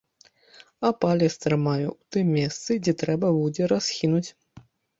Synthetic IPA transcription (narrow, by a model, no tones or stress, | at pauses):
apalʲɛst̪ɾɨmajuwt̪ɨmʲːɛst̪sɨd͡zʲɛt̪ɾɛbɐbud͡zʲɛɾasxʲinut͡sʲ